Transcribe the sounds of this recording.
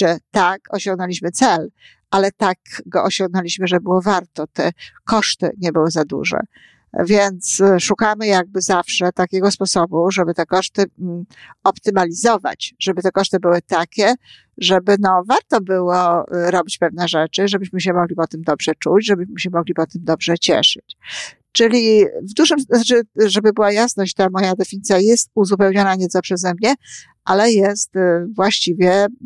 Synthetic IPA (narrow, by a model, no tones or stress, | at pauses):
ʐɛt̪akɔɕɔ̃ŋɡnɔlʲiɕmɘt̪sɛl | ʔalɛt̪akɡɔʔɔɕɔŋɡnɔlʲiɕmɘʐɛbɘwɔvaɾt̪ɔt̪ɛkɔʂt̪ɘ̰ɲɛbɘwɘzad̪ṵʐɛ̰ | vʲjɛnt̪sʂukamɘjaɡ̚bɘzafʂɛt̪akʲeɡɔspɔsɔbuʐɛbɘt̪ɛkɔʂt̪ɘ | ɔpt̪ɘmalʲizɔva̰t͡ɕʐ̥ɛbɘt̪ɛkɔʂt̪ɘbɘwɘt̪akʲɛ | ʐɛbɘnɔvaɾt̪ɔbɘwɔɾɔbʲit͡ɕpɛvn̪ɛʐɛt͡ʂɘʐɛbɘɕmɘɕɛmɔɡlʲipɔt̪ɘmd̪ɔbʐ̥ɛt͡ʂut͡ɕʐɛbɘɕmɘɕɛmɔɡlʲipɔt̪ɘmd̪ɔbʐɛt͡ɕɛ̰ʂɘt͡ɕ | t͡ʂɘlʲivd̪uʐɘmt͡ʂɘʐɛbɘbɘwajasnɔɕt͡ɕt̪amɔjad̪ɛfʲiɲit̪sʲjajɛst̪̚uzupɛwɲɔnaɲɛt̪sɔpʂɛzɛmɲɛ | ʔalɛjɛst̪vwaɕt͡ɕivʲjɛ